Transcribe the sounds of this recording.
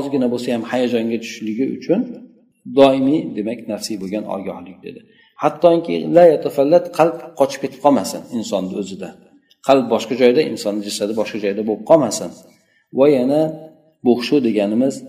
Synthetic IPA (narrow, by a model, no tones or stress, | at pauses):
hɒzɪɡʲɪnabosajamhajad͡ʒɒŋɡʲat̪ʰʊ̥ʃlɪɡʲɪʊ̰t͡ʃʰʊn | d̪ɒɪmid̪e̞makʲnaɾsɪjboɡʲanɒ̰ɡʲɒ̰hlɪk̚ʲd̪e̞̰d̪ɪ | hat̪ːɒɪŋkʲɪ̰lajat̪ʰafalːat̪qʰɑlˠpqʰɒt͡ʃʰɪ̥p̚ʲʰe̞t̪ʰɪ̥p̚qʰɒmasɪ̰nɪnsɒnːɵzɪd̪a | qʰɑlˠp̚bɒʃqɑd͡ʒɒjd̪aʔɪ̰nsɒnːɪd͡ʒasad̪ɪbɒʃqɑd͡ʒɒjd̪abop̚qʰɒmasɪn | vajana | boχʃud̪e̞ɡʲanɪmɪz